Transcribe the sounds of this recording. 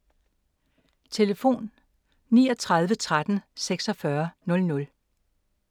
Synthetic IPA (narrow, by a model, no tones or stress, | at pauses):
t͡sʰe̝ləfo̝̰ːnː | iːɒt͡sʰʁäðˠʋət͡sʰʁad̥n̩seɡ̥sɒ̽fɶɐnɔ̽lnɔ̽l